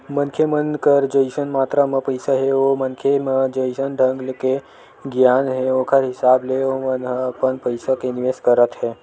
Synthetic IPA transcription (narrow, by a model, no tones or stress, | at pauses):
mənkʰemənkəɾd͡ʒəɪsənmaːt̪ɾamə̃pəɪsaɦeomənkʰemə̃d͡ʒəɪsənɖʱəŋɡlke | ɡjaːnɦeokʰəɾɦɪsaːbleomənpənpəɪsakenɪʋeːskəɾət̪ɦɛː